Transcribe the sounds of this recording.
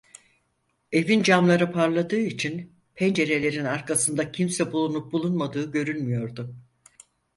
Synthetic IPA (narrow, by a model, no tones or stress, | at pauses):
e̞vind͡ʒamlˠaɾɯpʰaɾlˠad̪ɯːit͡ʃʰin | pʰɛnd͡ʒe̞ɾe̞lʲe̞ɾinaɾkasɯnd̪acʰimsɛbulˠunup̚bulˠunmad̪ɯːɟø̞ɾylʲmijo̞ɾd̪ʊ